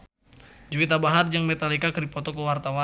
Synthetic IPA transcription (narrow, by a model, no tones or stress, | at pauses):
d͡ʒuwit̪̬abaɦard͡ʒaŋmɛt̪alikakɨdipɔt̪ɔkəwart̪awa